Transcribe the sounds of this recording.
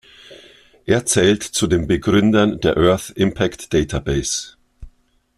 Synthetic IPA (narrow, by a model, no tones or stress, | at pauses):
ʔeːɐt͡sɛːltt͡sudeːnbəɡʁʏndɐndeːɐʔœɐθɪmpʰaktd̥ɛːtʰabɛɪs